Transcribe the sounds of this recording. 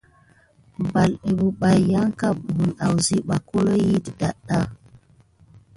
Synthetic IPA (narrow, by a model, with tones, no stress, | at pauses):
ba˨le˨ɓu˨ɓa˨jːa˦ŋka˦˨p̚bu˨na˨wzi˦ɓa˨ko˦lo˦ji˦˨tda˨ɗa˦